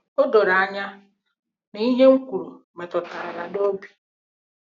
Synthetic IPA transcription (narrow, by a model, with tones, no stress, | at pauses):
o˦do˨ɾa˨a˨ɲa˦ | ni˨˦i˦ɲe˦ŋ̩˦kʷu˨ɾu˨ | me˨tɔ˨ta˨a˨ɾa˨do˦bi̥˨